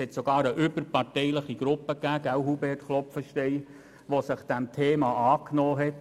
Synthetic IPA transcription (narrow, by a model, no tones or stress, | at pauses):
ɛt̪soɡ̥ɑːɾəʔʏb̥əɾpɑrtɛɪləχiɡ̥ɾʊpːəkːæːɡæwɦubɛːtχlɔpfəʃtɛɪ | ʋosɪχd̥æmt̪ʰeːmɑʔɑːknɔːɦɛt